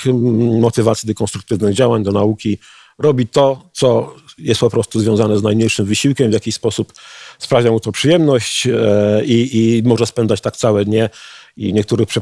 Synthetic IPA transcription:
mɔt̪ɘvat̪sʲid̪ɛkɔnt̪ɾukt̪ɘvnɘɣd͡ʑawaɲd̪ɔnaukʲi | ɾɔbʲit̪ɔt̪sɔjɛst̪pɔpɾɔst̪uzvʲjɔ̃w̃zanɛznajmɲejʂɘmvɘɕiwkʲɛmvʲjakʲiɕspɔsupspɾavʲamut̪ɔpʂɘjɛmnɔɕt͡ɕ | iimɔʐɛspɛnd̪zat͡ɕt̪akt̪sawɛd̪ɲɛiɲɛk̚t̪uɾɘxpʂɛ

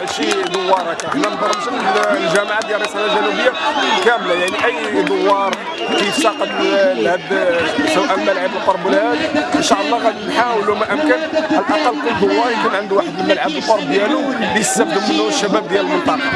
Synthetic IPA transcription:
ʃid̪əwːɑɾˤækænænd̪ˤɑrˤːəʃənlʒæmaʕad̪jælːsˤɑnad̪ælubəjːakæmlajaʕniʔæjːd̪əwːɑɾˤ | kiʃɑqəlhæd̪səwʔælməlʕabəlqoɾˤbəlhæd̪ʔənʃaʔəlˤːɑqæd̪nħawlumæʔəmkənalʔɑqɑlːkʊlːd̪əwːɑɾˤjkunʕənd̪uwaħəd̪mənməlʕəbəlqoɾˤbd̪jælubijəst̪əbd̪əmənːuwəʃːæbæbd̪jælbəlq̪ɑɾ

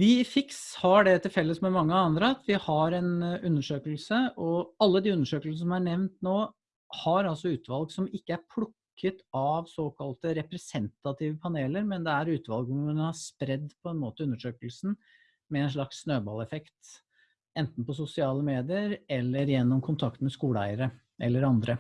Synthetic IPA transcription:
ʋɪfɪkshɑɖɛt̪ʰɪlfɛlːəsmɛmɑŋːəɑnd̪ɾəɑt̪ʰʋɪhɑɾɛnʉnːəʂøːkəlsəɔɑlːəd̪ɪʉnːəʂøːkəlsəsɔmæɳɛʋnt̪noː | hɑɾɑlsɔʉːt̪ʋɑlɡsɔmɪkːəæɾpʰlʊkʰːət̪ɑʋsoːkʰɑlt̪əɾɛpɾɛsɛnt̪ɑt̪ʰiːʋəpʰɑneːləɾmɛnd̪ɛæɾʉːt̪ʋɑlɡɔmɛnhɑspɾɛd̪ːpʰɔɛnmoːt̪əʉnːəʂøːkəlsn̩ | mɛɛɪnʂ̬ɭɑksːnøːbɑlɛfɛkt̪ | ɛnt̪n̩pɔs̬ʊsɪɑːləmeːd̪ɪəɾɛlːəɾjɛnːɔmkʰʊnt̪ʰɑkt̪mɛskuːləæ̰ɪəɾə | ʔɛlːəɾɑnd̪ɾə

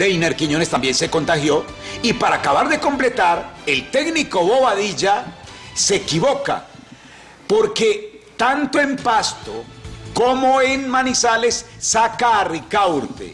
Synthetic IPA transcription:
d̪ejneɾkiɲo̞nest̪ambje̞nse̞ko̞nt̪axjo̞ipaɾaːkaβaɾðe̞ko̞mple̞t̪aɾe̞lt̪e̞ɡniko̞βoβaðiʝase̞kiβo̞ka̰ | po̞ɾke̞ | t̪ant̪oe̞mpast̪o̰komo̞enmanisale̞sːakaːrikawɾt̪ḛ

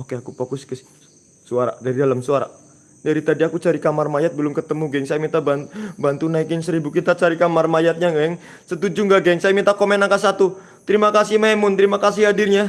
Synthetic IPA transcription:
okeakupokʊskəs | suaɾa̰daɾidalamsuaɾa̰ | daɾit̪adiakut͡ʃaɾikamarmajat̪̚bəlʊmkət̪əmuɡɛŋsajamit̪ababant̪unaikɪnsəɾibukit̪at͡ʃaɾikamarmajat̪̚ɲaŋɡaɛŋ | sət̪ud͡ʒuŋɡaɡɛŋsajamit̪akomɛnakasat̪u | t̪əɾimakasimaɛmʊnt̪əɾimakasiɦadirɲa

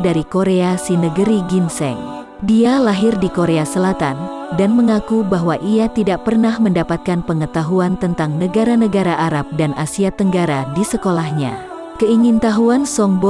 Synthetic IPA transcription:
daɾikoɾeasinəɡəɾiɡinsɛ̰ŋ | dialaɦɪrdikoɾeasəlat̪an | danməŋakubaɦwaʔiat̪idaʔ̚pərnahməndapat̪̚kanpəŋət̪aɦuant̪ənt̪aŋnəɡaɾanəɡaɾaʔaɾap̚danʔasiat̪əŋɡaɾadisəkolahɲa̰ | kəiŋint̪aɦuansɔŋbɔ

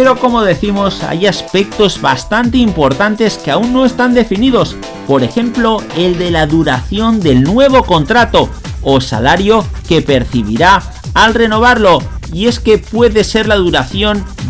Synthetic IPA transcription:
peɾo̞ko̞moðe̞θimo̞sa̰jaspe̞k̚t̪o̞zβa̰st̪ant̪e̞impo̞ɾt̪ant̪e̞ske̞aunːo̞e̞st̪and̪e̞finiðo̞s | po̞ɾe̞xẽ̞mplo̞e̞ld̪e̞laðuɾaθjo̞nd̪e̞lnwe̞β̞o̞ko̞nt̪ɾat̪o̞ː | sa̰laɾjo̞ke̞pe̞ɾθiβ̞ḭɾaː | lre̞no̞β̞aɾlo̞ie̞ske̞pwe̞ðe̞se̞ɾlaðuɾaθjo̞n

